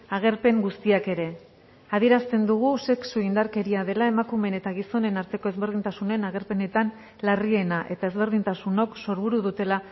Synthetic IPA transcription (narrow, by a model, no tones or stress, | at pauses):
aɣ̞e̞ɾpe̞ŋɡust̪iake̞ɾe̞ | aðie̞ɾast̪e̞nd̪uɣ̞use̞ksuind̪aɾke̞ɾiaðe̞lae̞makume̞ne̞t̪aɣiso̞ne̞naɾt̪e̞ko̞e̞zβe̞ɾð̞int̪asune̞naɣe̞ɾpe̞ne̞t̪an | larie̞naʔe̞t̪ae̞zβe̞ɾð̞int̪asuno̞kso̞ɾβuɾuðut̪e̞la